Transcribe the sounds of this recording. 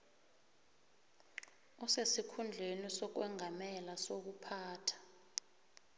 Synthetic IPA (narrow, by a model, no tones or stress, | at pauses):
ɔsesikʰund͡ɮʱenisɔk̬wɛŋʱamɛlasok̬upʰaːtʰḁ